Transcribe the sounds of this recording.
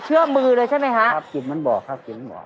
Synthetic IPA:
t͡ɕʰɯ˥˩əmɯː˧lɤː˧t͡ɕʰa˥˩jma˦˥jkʰa˦˥ʔa˥p̚ki˨˩t̚ma˦˥˨nbɔː˨˩kʰːaː˥˩p̚ki˨˩ma˧˥˨bɔ̰ː˨˩

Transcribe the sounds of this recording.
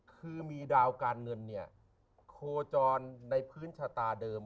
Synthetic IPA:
kʰɯː˧miː˧daː˧wkaː˧nŋɤ˧nːi˥˩ɐ | kʰoː˧t͡ɕɔː˧nːa˧jpʰɯː˦˥nt͡ɕʰa˧t̪aː˧dɤː˧m

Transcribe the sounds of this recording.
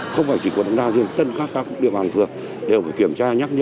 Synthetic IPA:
xə˧wŋ͡mfaː˧˩jt͡ɕi˧˩kwnɗ̰ə̰˧˦˥ŋɗaː˧zi˧əmt̪ə˧nkaː˦˥kːaː˦˥kk̚ɗḭ˧˨əɓaː˨˩nt̪ʰɨ˨˩ək̚ | ɗe˨˩wfaː˧˩jki˧˩əmt͡ɕaː˧ɲaː˦˥k̚ɲə˧˥

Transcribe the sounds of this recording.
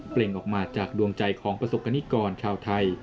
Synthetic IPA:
ple˨˩ŋʔɔː˨˩k̚maː˧t͡ɕaː˨˩k̚du˧əŋt͡ɕa˧jkʰɔː˩˦ŋpɾa˧so˨˩p̚kʰa˧niː˦˥kɔː˧nt͡ɕʰaː˧wt̪ʰa˧j

